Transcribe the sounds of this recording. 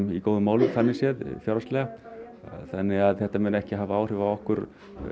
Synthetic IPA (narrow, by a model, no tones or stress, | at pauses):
ikowðʏmaːwlɪθanːɪsjɛðfjawɾast̪lɛːɣa | θanːɪɣaðθɛht̪amɛnɛhcɪɦaːvaaːwr̥ʏvaɔhkʏɾ